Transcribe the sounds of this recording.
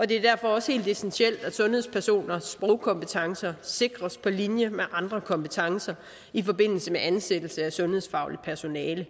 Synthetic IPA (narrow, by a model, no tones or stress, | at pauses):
ɒ̽d̥e̝æɐd̥æɐ̰fɒ̽ɒ̽she̝̰ːld̥esensiel̰d̥æd̥sɔ̽nhe̝̰spʰæɐso̝̰ːnɐsb̥ʁɔʊkʰɒ̽mpət͡sʰɑ̈ŋsɐse̝ɡ̥ʁɐspʰɒ̽linjəmeʔɑ̈nd̥ʁɐkʰɒ̽mpət͡sʰɑ̈ŋsɐ | ifɒ̽b̥e̝n̰l̩səmeʔænsed̥l̩səæsɔ̽nhe̝ð̞̰ˠsfɑ̈ʊlid̥̚pʰæɐso̝nɛːlə